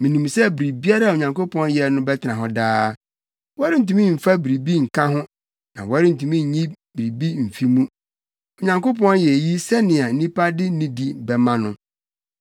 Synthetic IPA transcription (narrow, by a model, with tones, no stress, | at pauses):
mĩ˨nĩ˨msɛ˦bi˨ɾi˨bi˦a˦ɾa˦˨o˨ɲã˨ŋko˦pʰɔ̃˦n˦jɛ˨nʊ̃˦bɛ˦tʰɪ˨nã˨ɦɔ̃˨daː˦ | wɾɪ˦n̩˨tũ˦mĩ˦m̩˨fa˦bi˨ɾi˨bi˦ŋ̩˨kʰã˦ɦʊ̃˦ | nã˨wɔ˨˦ɾɪ˦n̩˨tʰũ˨mĩ˦ɲ̩˨ɲĩ˦bi˨ɾi˨bi˦m̩˨fi˦mũ˦ | o˨ɲã˨ŋko˦pɔ̃˦njɛ˨ji˦sɛ˦nɪ̃˨a˨n̩˦nĩ˦pʰa˦dɪ˦nĩ˦di˨bɛ˨mã˦nʊ̃˨˦